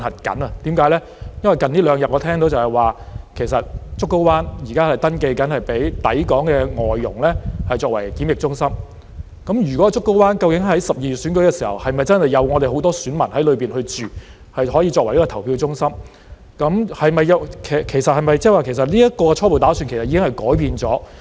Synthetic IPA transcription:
nhɐ˨t̚kɐ̰˨˥nɐ˧t̪iː˨˥mkaː˨˥jlɛː˥ | jɐ˥nwɐ˨jkɐ˨niː˥lœː˨˧ŋjɐ˨t̚ʔɔ˨˧t̪ʰɛː˥ŋt̪o˨˥wt͡sɐ˨˩hɐ˨˩jwaː˨kʰe˨˩jsɐ˨t̚t͡sʊ˥kːo˥waː˥njiː˨˩kaː˥hɐ˨jt̪ɐ˥nke˧jkɐ˨˥nhɐ˨jpe˨˥jt̪ɐ̰˨˥jkɔː˨˥ŋkɛː˧ŋɔː˨jːʊ̰˨˩ŋlɛː˥hɐ˨jt͡ʃɔː˧k̚wɐ˨˩jkiː˨˥mjɪ˨k̚t͡sʊ˥ŋsɐ˥m | kɐ˨˦˥mjyː˨kwɔ˨˦˥t͡sʊ˥kːo˥waː˥nkɐ˧wkɪ˨˥ŋhɐ˨˥jsɐ˨p̚jiː˨˩y˨t̚syː˨˥nkɵ˨˥ɥkɛː˧siː˨˩hɐ̰˨whɐ˨jmɐ˨jt͡sɐ˥nhɐ˨jːɐ˨˧wŋɔː˨˧t̪e˨jɦo˨˥wt̪ɔː˥syː˨˥nmɐ˨˩nhɐ˨˥jlɵ˨˧ɥpiː˨nhɵ˧ɥt͡ʃyː˨˩ | hɐ˨jɦɔː˨˥ji˧t͡sɔː˧kwliː˥kɔː˧tʰɐ˨˩wpʰiː˧wt͡sʊ˥ŋsɐ˥m | kɐ˨˥mhɐ˨jmɐ˨jɐ˨˧wkʰkʰe˨˩jsɐ˨t̚hɐ˨jmɐ˨jt͡sɛ˥waː˨˩kʰe˨˩js̬ɐ˨t̚liː˥jɐ˥t̚kɔː˧kɛ˧t͡ʃʰɔː˥po˨wt̪aː˨˥syː˧nkʰe˨˩sɐ˨˩i˧˥kɪ˥ŋhɐ˨jkɔː˨˥jpiː˧nt͡sɔː˨˥

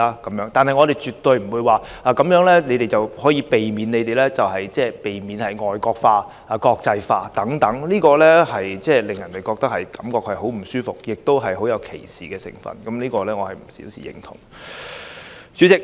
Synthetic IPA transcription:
aː˧kɐ˨˥mjœː˧˥ŋt̪aː˨nhɐ˨˩jŋɔː˨˧ɾe˨˩jt͡ʃyː˨t̪ːɵ˧ɥm̩˨˩wuː˨˧jwaː˨aː˨˧kɐ˨˥mjœː˨˥ŋlɛː˥ne˨˧jt̪e˨˩jt͡sɐ˨whɔː˨˥jiː˧pe˨jmiː˨˧˥ne˨˧jt̪e˨jlɛː˥t͡sɐ˨wɦɐ˨jt͡sɛː˥˩pe˨jmiː˨˧nhɐ˨˩jŋɔː˨jkɔː˧k̚faː˧ | aː˨kɔː˧k̚t͡sɐ˧jfaː˧t̪ɐ˨˥ŋt̪ɐ˨˥ŋliː˥kɔː˧lɛː˥hɐ˨jt͡sɛː˥˩lɪ˨˩ŋjɐ˨˩nt̪e˨jkɔː˧k̚t̪ɐ˥k̚hɐ˨˩jkɐ˨˥mkɔː˧k̚hɐ˨˩jɦo˨˥wm̩˨˩syː˥fʊ˨k̚jɪ˨k̚t̪o˥wɦɐ˨jɦo˨˥wjɐ˨˧wkʰḛ˨˩jsiː˨kɛː˧sɪ̰˨˩ŋfɐ̰˨˩nkɐ˨˦mliː˥kɔː˧lɛː˥ŋɔː˨˧hɐ˨jm̩˨˩sḭ˨˥wsḭː˨jɪ̰˨˩ŋt̪ʰʊ̰˨˩ŋ | t͡sy˨˥t͡sɪ˨k̚

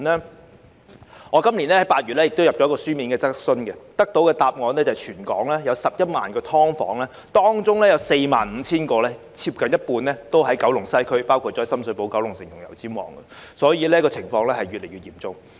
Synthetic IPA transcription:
nɛː˥ | ŋɔː˨˧kɐ˥mli˨˩nlɛː˥hɐ˨˥jpaː˧t̚y˨t̚lɛ˥jɪ˨k̚t̪o˥wjɐ˨p̚t͡ʃɔ˨˥kɔː˧syː˥miː˨˥nkɛː˧t͡sɐ˥k̚sɵ˥nɡɛ˧t̪ɐ˥k̚t̪o˨˥wkɛː˧t̪aː˧p̚ŋɔː˨˧nɛ˥t͡sɐ˨˩t͡ʃʰyː˨˩nkɔ̰ː˨˥ŋlɛː˥jɐ˨˧wsɐ˨p̚jɐ˥t̚maː˨nkɛː˧t̪ʰɔː˥ŋfɔ̰ː˨˥ŋlɛː˥ | t̪ɔː˥ŋt͡sʊ˥ŋlɛː˥jɐ˨˧wse˧jma̰ː˨nm̩ː˨˧t͡sʰiː˥nkɔː˧lɛ˥ | t͡sʰiː˧p̚kɐ˨njɐ˥t̚puː˧nlɛː˦˥t̪o˥wɦɐ˨˥jkɐ˨˥wlʊ˨˩ŋsɐ˥jkʰɵ˥ɥpaː˥wkʰu˧t̚t͡ʃɔː˨˥˩sɐ˥msɵ˨˥jpo˨˥wkɐ˨˥wlʊ˨˩ŋsɪ˨˩ŋjʊ˨˩ŋjɐ̰˨˩wt͡siː˨˥mwɔ̰ː˨˩ŋɡɛ̰˧sɔː˨˥jiː˨˧lɛː˥kɔː˧t͡sʰɪ˨˩ŋfɔː˧ŋlɛː˥hɐ˨jɥyː˨t̚le˨˩jɥyː˨t̚jiː˨˩mt͡sʊ˥ŋ

